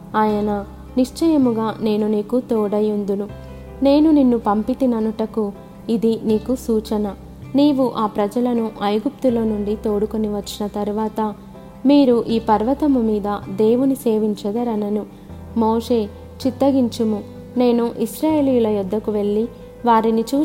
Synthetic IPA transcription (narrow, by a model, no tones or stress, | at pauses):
aːjɐnɐ | niʂt͡ʃɐjɐmuɡaːne̞ːnuniːkut̪oːɽɐjund̪unu | ne̞ːnuninːupɐmpit̪inɐnuʈɐku | id̪iniːkusuːt͡ʃɐnɐ | niːʋuʔaːpɾɐd͡ʒɐlɐnuʔɐjɡup̚t̪ulo̞ːnuɳɖit̪o̞ːɽuko̞niʋɐt͡ʃːinɐt̪ɐɾuʋaːt̪ɐ | miːɾuʔiːpɐɾʋɐt̪ɐmumiːd̪ɐd̪e̞ːʋunise̞ːʋiɲt͡ʃɐd̪ɐɾɐnɐnu | moːʂe̞ː | t͡ʃit̪ːɐɡiɲt͡ʃumu | ne̞ːnuʔisɾaːjeːlijulɐjud̪ʱːɐkuʋe̞ɭːi | ʋaːɾinit͡ʃuː